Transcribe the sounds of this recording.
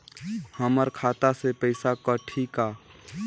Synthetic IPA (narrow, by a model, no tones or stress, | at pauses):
həməɾkʰaːt̪asepəɪsakəʈʰika